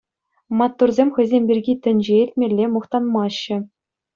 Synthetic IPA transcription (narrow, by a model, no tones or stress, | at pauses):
mɑt̪ːurzʲemʲxʲɘ̆zʲemʲbʲirʲɡʲit̪ʲɘ̆nʲd͡ʑeilʲtʲmʲelʲːemɤ̆χt̪ɑnmɑɕːɘ̆